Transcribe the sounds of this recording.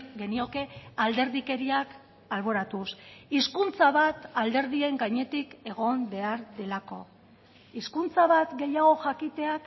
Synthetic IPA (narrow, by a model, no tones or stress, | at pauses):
ɡe̞nio̞ke̞ald̪e̞ɾðike̞ɾiak | alβ̞o̞ɾat̪usiskunt͡saβat̪ald̪e̞ɾð̞ie̞ŋɡaɲe̞t̪ike̞ɣ̞o̞mbe̞aɾðe̞lako̞ | iskunt͡saβat̪ɡe̞jaɣ̞o̞ʝakit̪e̞ak